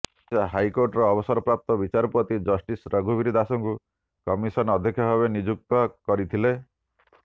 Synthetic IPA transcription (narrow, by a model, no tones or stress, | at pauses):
aɦajkoɾʈɔɾɔːbɔsɔɾɔpɾap̚t̪ɔbit͡ʃaɾɔpɾɔt̪id͡ʒɔsʈisɾəɡʱubiɾid̪asɔŋku | kɔmisɔnɔd̪ʱekʰjɔɦɔβenid͡ʒuk̚t̪ɔkɔɾit̪ʰile